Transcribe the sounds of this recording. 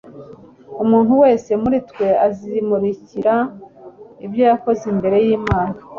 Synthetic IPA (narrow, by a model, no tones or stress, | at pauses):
umuːn̥huwe̞ːse̞muɾitkwe̞azimuɾiciɾa | ibjojako̞zimbe̞ɾe̞jiːmaːnḁ